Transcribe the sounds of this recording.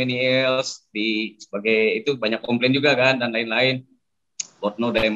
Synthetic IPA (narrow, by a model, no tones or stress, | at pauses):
ɛniisdisəbaɡajit̪ubaɲakːɔmplɛnd͡ʒuɡakandanlaɪnlaɪn | bɔt̪̚nodam